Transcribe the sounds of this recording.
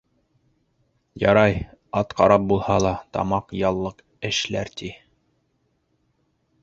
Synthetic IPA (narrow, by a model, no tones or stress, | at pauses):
jɑ̰ɾɑjɑt̪qɑɾɑp̚bulˠhɑlˠɑt̪ɑ̰mɑqjɑlˠːɤq | ɘ̆ʃlæɾt̪i